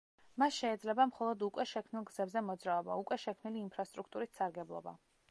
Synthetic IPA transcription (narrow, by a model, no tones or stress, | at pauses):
masʃɛːd̪zlɛbamχɔlˠɔd̪ukʼwɛʃɛkʰmnilˠɡz̥ɛbzɛmɔd̪zɾaɔba̰ukʼwɛʃɛkʰmniliːmpʰɾast̪ʼɾukʰt̪ʼuɾissaɾɡɛblˠɔ̰ba̰